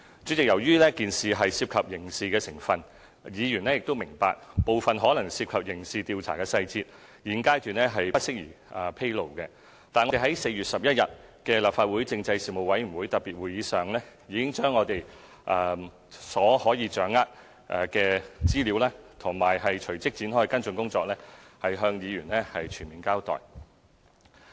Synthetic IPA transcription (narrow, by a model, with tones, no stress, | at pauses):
t͡sy˨˥t͡sɪ˨k̚jɐ˨˩wjyː˥lɛː˥kiː˨nsiː˨ɦɐ˨jsiː˧p̚kʰɐ˨p̚jɪ˨˩ŋsiː˨kɛː˧sɪ˨˩ŋfɐ˨n | jiː˨˧jyː˨˩nɛː˥jɪ˨k̚t̪o˥wmɪ˨˩ŋpa̰ː˧k̚po˨wfɐ˨nɦɔː˨˥lɐ˨˩ŋsiː˧p̚kʰɐ˨p̚jɪ˨˩ŋsiː˨t̪iː˧wt͡sʰa̰ː˨˩kɛː˧sɐ˧jt͡siː˧t̚ | jiː˨˩nkaː˥jtyː˨nɛː˥ɦɐ˨jpɐ˥t̚sɪ˥k̚jḭː˨˩ | ʔɐ˨pʰe˥jlo˨˩wkɛ˧ | t̪aː˨nɔ˧e˨˩ɦɐ˨˦˥jse˧jyː˨t̚sɐ˨p̚jɐ˥t̚jɐ̰˨˩t̚kɛː˧laː˨p̚faː˧t̚wu˨˥jt͡sɪ˧ŋt͡sɐ˧jsiː˨mo˨wɐ˨˥jmy˨˩wuː˨˥jt̪ɐ˨t̚piː˨t̚wuː˨˩jiː˨˧sœː˨ŋlɛː˥jiː˨˧kɪ˥ŋt͡ʃœː˥ŋːɔː˨˧t̪e˨j | ʔɐː˨˧ | sɔː˨˥hɔː˨˥jiː˨˧t͡ʃœː˨˥ŋaː˥t̚ | ʔɛ˧kɛː˧t͡siː˥liː˨˥wlaː˥t̪ʰʊ˨˩ŋmaː˨˩jɦɐ˨jt͡ʃʰɵ˨˩ɥt͡sɪ˥k̚t͡siː˨˥nɦɔː˥jkɐ˥nt͡sɵ˧nkʊ˥ŋt͡sɔː˧˥k̚lɛː˥hɐ˨jɦœː˧ŋjiː˨˧jyː˨˩nlɛ˥hɐ˨jt͡ʃʰyː˨˩nmiː˨˩nkaː˥wt̪ɔ̰ː˨˩j